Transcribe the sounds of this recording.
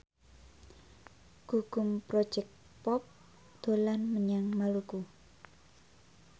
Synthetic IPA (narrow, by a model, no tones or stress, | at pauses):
ɡ̥uɡ̥ʊ̤mpɾɔ̥d͡ʒɛk̚t | pɔp̚ | d̪̥o̤lanməɲaŋmaluku